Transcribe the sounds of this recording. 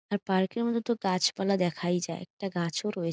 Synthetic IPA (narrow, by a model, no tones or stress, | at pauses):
aɾpaɾkeɾmɔd̪ʱot̪oɡat͡ɕpalad̪ɛkʰajd͡ʑaeɛ̰k̚ʈaɡat͡ɕʰoɾɔe